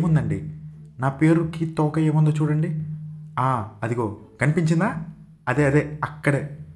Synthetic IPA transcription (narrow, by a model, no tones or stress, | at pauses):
mund̪ɐɳɖḭnaːpe̞ːɾukiːt̪ɔːkɐjeːmund̪oːt͡ʃuːɽɐɳɖiaːɐd̪ikoː | kɐnipiɲt͡ʃind̪aː | ɐd̪eːɐd̪eːɐkːɐɽeː